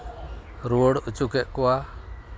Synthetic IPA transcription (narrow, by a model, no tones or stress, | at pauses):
ɾuɽut͡ʃukɛʔkɔwa